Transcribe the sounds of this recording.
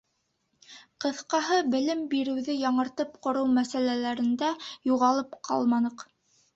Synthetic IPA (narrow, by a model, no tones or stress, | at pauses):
qɤ̆θqɑɦɤbɘ̆lɘmbiɾɘ̆wðɘjɑɴɤ̆ɾt̪ɤpqŏɾɤwmæsælælæɾɘ̆nd̪æjuʁɑlˠɤpqʰɑ̰lˠmɑnɤq